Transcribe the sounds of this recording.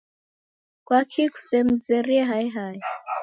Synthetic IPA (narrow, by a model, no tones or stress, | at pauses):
kwakʰiku̥sɛm̩zɛɾiɛɦaiɦai